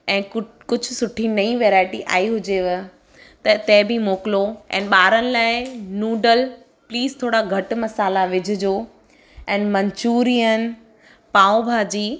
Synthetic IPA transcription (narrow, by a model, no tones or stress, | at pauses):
ɛ̃ː | kʊd͡ʑʱʊsʊʈʰinɐĩʋeːɾaːɪʈiʔa̰ːiɦʊd͡ʑeʋɪ | t̪ɐt̪ɛ̃bʱimoːkɪloɛ̰̃ːnɪɓaːɾənɪ̆laːɪnuːɖəl | pliːzt̪ʰoːɽaɡʱɐʈ̆mɐsaːlaʋɪd͡ʑʱʊd͡ʑoː | ɛ̃ːnmɐ̃ɲt͡ɕuːɾijən | paːõbʱaːd͡ʑiː